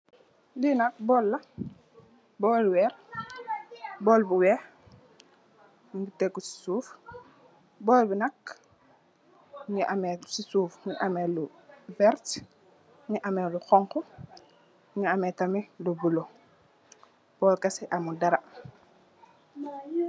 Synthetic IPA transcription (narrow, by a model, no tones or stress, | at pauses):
linak̚bɔːlːa | bɔːluwɛɾ | bɔːlbuwɛ | miɡitekːusi̥suːf | bɔːlbinak | ŋiʔametsisuːfŋiʔameluvɛɾt | ŋiʔameluxɔŋko | ŋiametamilubulo | b̥ɔːlkasiʔamudaɾa